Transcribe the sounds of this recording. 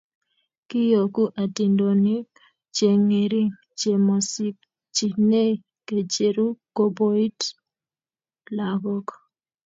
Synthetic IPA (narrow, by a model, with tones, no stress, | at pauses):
kɪ˦jo˨ku˦ʔa˨ti˨ndo˨nɪ˦ | t͡ʃe˨ŋi˨ɾi˦ | t͡ʃe˨mɔ˨si˦k | t͡ʃi˨ne˦˨ | ke˨t͡ʃe˨ɾu˦ko˦bo˦i˦t | la˨ɡɔ˦k